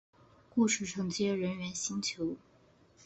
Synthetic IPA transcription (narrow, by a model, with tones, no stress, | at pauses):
ku˥˧ʂɻ̩˥˩ʈ͡ʂʰɤ˧˥ŋt͡ɕjɛ˥ɻə˧˥nɥɛ˧˥nɕi˥ŋt͡ɕʰjo˧˥ʊ